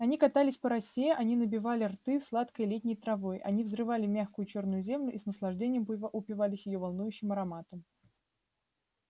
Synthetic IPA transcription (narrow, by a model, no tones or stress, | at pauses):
ɐnʲikɐt̪alʲɪsʲpəɾɐsʲeʔɐnʲinəbʲɪvalʲɪrt̪ɨslˠat̪kəjlʲet̚ʲnʲɪjt̪ɾɐvo̞jʔɐ̰nʲivzrɨvalʲɪmʲaxkʊjʊt͡ɕo̞rnʊjʊzʲe̞mlʲʊʔisnəslˠɐʐdʲenʲɪjəmʊpʲɪvalʲɪsʲjɪjo̞vɐlˠnujʉɕːɪmɐɾɐmat̪əm